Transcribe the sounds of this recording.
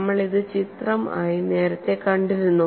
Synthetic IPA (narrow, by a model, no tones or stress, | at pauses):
mːɐɭiðɨt͡ɕit̪rɐmaːjine̞ːɾɐt̪ːe̞kɐɳɖiʋunːu